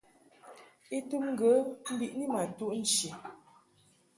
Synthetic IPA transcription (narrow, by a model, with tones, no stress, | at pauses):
e˦tu˦mŋ̩˦ɡə˨˦m̩˦bi˦˨ʔni˦ma˨tu˦ʔn̩˦˨t͡ʃi˨